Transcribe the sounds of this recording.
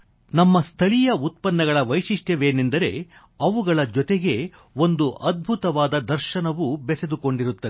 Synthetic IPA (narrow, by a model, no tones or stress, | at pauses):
nɐmːɐst̪ʰɐɭijɐut̪̚pɐnːɐɡɐɭɐʋɐjʂiʂʈjɐʋeːnend̪ɐɾe̞̰ | ɐʋuɡɐɭɐd͡ʒɔt̪eɡe̞ | o̞nd̪uʔɐd̪̚bʱut̪ɐʋaːd̪ɐd̪ɐɾʃɐnɐʋubɛsed̪uko̞ɳɖiɾut̪ːɐe